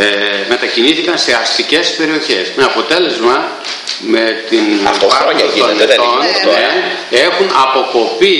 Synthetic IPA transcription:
eme̞t̪ɐciniθikɐnse̞ɐst̪ice̞spe̞ɾio̞çe̞smeɐpo̞t̪e̞le̞zmɐ | me̞t̪inɐpɐt̪ononee̞xunɐpo̞ko̞pi

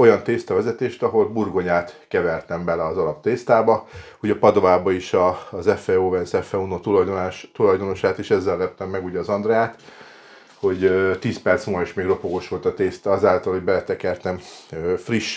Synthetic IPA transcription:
o̞jɒnt̪eːst̪ɒvɛzɛt̪eːʃt̪ɒɦo̞lburɡo̞ɲaːt̪kɛvɛrt̪ɛmbɛlɛɒzɒlɒp̚t̪eːst̪aːbɒ | uɟɒpɒd̪o̞vaːbɒeʃɒzɛfɛoːvɛnsɛfɛunot̪ulɒjd̪onaːʃt̪ulɒjd̪o̞no̞ʃaːt̪eːʃɛzːɛlːɛp̚t̪ɛmːɛɡuːɟɛːzɒnd̪rɛjaːt̪ | ho̞ɟt̪iːspɛrt̪smoːeʃmeːɡro̞poɡo̞ʃʋo̞lt̪ɒt̪eːst̪ɒzaːlt̪ɒlho̞ɟbɛlɛt̪ɛkɛrt̪ɛmøfriʃ

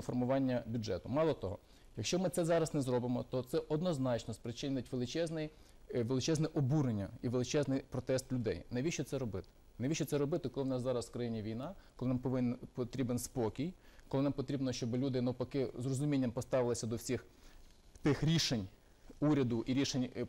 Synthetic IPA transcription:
ɔfɔrmʊʋɑnʲːɐbʲʊdʒɛt̪ʊmɑlˠɔt̪ɔɦɔ̰ | jɐkʃt͡ʃɔmɪtsɛzɑɾɐsnɛzɾɔbɪmɔt̪ɔt̪sɛʔɔd̪nɔznɑt͡ʃnɔspɾɪt͡ʃɪnʲnɪtʲʋelˠɪt͡ʃɛznɪj | ʋelˠɪt͡ʃɛznɛʔɔbuɾenʲːɐiʋelˠɪt͡ʃɛznɪjpɾɔt̪ɛst̪lʲʊd̪ɛ̰jneʋʲiʃt͡ʃɔt̪sɛɾɔbɪt̪ɪ̥ | neʋʲiʃt͡ʃːɔtsɛɾɔbɪt̪ɪkɔlˠɪwnɑszɑɾɐswkɾɐjinʲiʋʲijnɑkɔlˠɪnɑmpɔʋɪnpɔt̪ɾʲibenspɔkʲijkɔlˠɪnɑmpɔt̪ɾʲibnɔʃt͡ʃɔbɪlʲud̪ɪnɐwpɐkɪzrɔzʊmʲinʲːɐmpɔst̪ɑʋɪlˠɪsʲɐd̪ɔwsʲix | t̪ɪxɾʲiʃenʲ | uɾʲɐd̪ʊʔiɾʲiʃenʲ

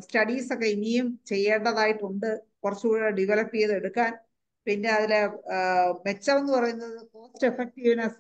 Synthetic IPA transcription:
stɐɽiːso̞kːeinijumt͡ɕe̞jːeːɳɖɐðaːjiʈːuɳɖɨkurɐt͡ɕːuuːɽɐɖiʋelɐpːijɐðe̞ɽukːaːn | pinːeɐðile | me̞t͡ɕːɐme̞nːɨpɐrɐjunːɐðɨpo̞ːstefek̚ʈiʋinɐs

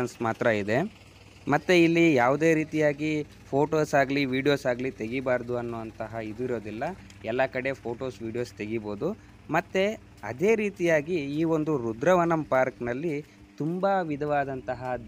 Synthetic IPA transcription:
ɐnsmaːt̪ɾɐid̪e̞ | mɐt̪ːeilːijaːʋud̪e̞ːɾiːt̪ijaːɡi | pʰo̞ːʈoːsaːɡɐliʋiːɖijo̞ːsaːɡlit̪e̞ɡibaːɾd̪uɐnːuʋɐnt̪ɐɦɐid̪iɾo̞ːd̪ilːɐ | ɛlːɐkɐɽe̞pʰo̞ːʈo̞ːsʋiːɖijo̞ːst̪e̞ɡibo̞ːd̪u | mɐt̪ːe | ɐd̪e̞ːɾiːt̪ijaːɡiːo̞nd̪uɾud̪ɾɐʋɐnɐmpaːɾknɐlːi | t̪umbɐʋid̪ʱɐʋaːd̪ɐnt̪ɐɦɐ

